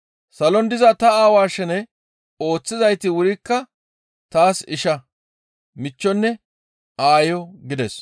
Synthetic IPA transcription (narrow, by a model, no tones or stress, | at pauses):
sɐlɔnd̪ɪzɐt̪ɐaːwaːʃɛnɛ | o̞ːt͡sːɪzɐjt̪ɪwʊɾɪkːɐ | t̪aːsɪʃɐ | mɪt͡ʃːɔnːɛ | aːjɔɡɪd̪ɛs